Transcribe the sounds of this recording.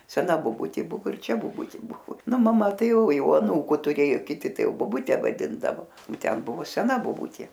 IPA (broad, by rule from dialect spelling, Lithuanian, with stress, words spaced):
sʲɛˈnɐ boːˈbʊtʲeː ˈbʊʋoː ɪr ˈt͡ʃʲɛ boːˈbʊtʲɪ ˈbʊʋoː ˈnʊ mɐˈmɐ ˈtɐɪ ˈjɛʊ ˈjɛʊ ɐˈnuːkʊ tʊˈrʲeːjʊ kʲɪˈtʲɪ ˈtɐɪ boːˈbʊtʲɛ ʋɐˈdʲɪndɐʋoː oː ˈtʲɛn ˈbʊʋoː sʲɛˈnɐ boːˈbʊtʲeː